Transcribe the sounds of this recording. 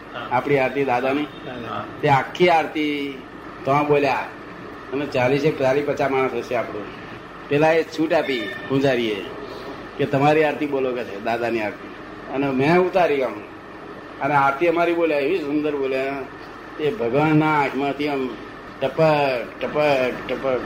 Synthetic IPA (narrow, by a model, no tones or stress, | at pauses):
apɽ̃iaɾt̪id̪ad̪ani | t̪eakʰːiaɾt̪i | t̪əãboːlja | ənet͡ʃalisepət͡ʃalipət͡ʃamaɽ̃əsəʃeaːpɽũ | pelaesuːʈapikũd͡ʒaɾiḛ | ket̪əmaɾiaɾt̪iboːloket͡ʃʰed̪aːd̪aniaːɾt̪i | ənemẽut̪aɾiɡaũ | əneaɾt̪iəmaɾiboːljaeissund̪əɾboːlja | t̪ebʱəɡʋənnamə̃t̪ʰiəm | ʈəpəʈəpəʈəp